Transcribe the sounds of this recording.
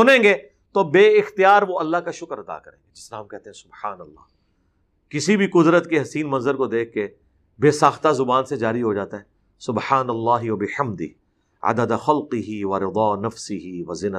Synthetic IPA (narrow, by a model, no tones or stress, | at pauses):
sʊnẽːɡeː | t̪obeːɪxt̪ijaːɾʋoɐlːaɦkaʃʊkəɾɐd̪a̰ːkɐɾḛ̃ːŋɡed͡ʒɪsɾaɦɐ̃mkɛɦt̪eɦɛ̃sʊbħaːnɐlːɑ̰ː | kɪsibʱikʊd̪ɾət̪keɦɐsiːnmɐ̃nzəɾkod̪eːkʰːe | beːsaːxt̪azʊbaːnsed͡ʒaːɾiɦod͡ʒaːt̪aɦɛː | sʊbħaːnɐlːaːɦiʋɐbɪħɐmd̪ɪ̰ | ɐ̰d̪əd̪xɐlqɪɦiʋɐɾɪd̪ɑːnɐfsɪɦiʋɐzɪn